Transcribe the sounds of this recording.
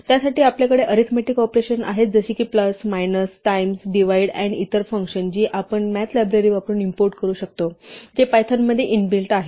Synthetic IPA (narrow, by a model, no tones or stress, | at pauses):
t̪jasaʈiːapljakəɽeʔəɾit̪ʰmeʈikɔpɾeɕəna̰ɦet̪̚d͡zəɕiːkiːpləsmajnəsʈajmsɖiʋaiɽɛɳit̪əɾfəŋkɕənt͡ɕiːʔapəɳmæt̪ʰlajbɾəɾiːʋapəɾuːnimpoɾʈ̚kəɾuːɕək̚t̪od͡ʑepajt̪ʰanmːəd̪ʱːjeʔinbilʈaɦe